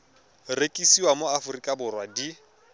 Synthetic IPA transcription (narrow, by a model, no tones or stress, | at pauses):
rekʼisiwamoafʊrikʼabʊrwadi